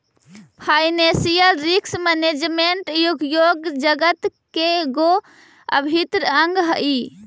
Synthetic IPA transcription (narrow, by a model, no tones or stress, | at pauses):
pʰajnesijəlɾiksməned͡ʒmeɳʈjuɡjoɡd͡ʒəɡət̪keɡo | ə̰bʱit̪ɾəəŋɡɦəʔi